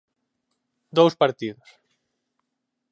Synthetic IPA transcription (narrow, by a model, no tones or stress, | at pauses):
d̪owspaɾt̪iðʊs